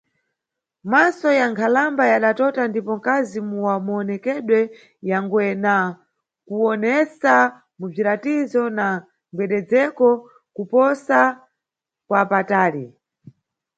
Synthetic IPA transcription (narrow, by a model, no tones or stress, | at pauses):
masɔjaŋkʰalambajaɗatɔtandipɔŋkazimuwamuɔnɛkɛɗwɛ | jaŋɡwɛna | kuɔnɛsa | mub͡ʐiɾatizɔna | ŋɡwɛɗɛd͡zɛkɔ | kupɔsa | kwapataːɾi